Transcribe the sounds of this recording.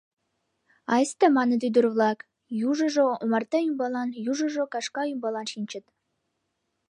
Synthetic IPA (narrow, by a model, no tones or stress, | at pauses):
ɑjst̪əmɑnə̆d̪y̆jd̪uɾvlˠɑk | juʒɤ̆ʒoomɑrt̪ɑjymbɑlˠɑnjuʒə̆ʒokɑʃkɑjymbɑlˠɑnʃinʲt͡ɕɘ̆t̪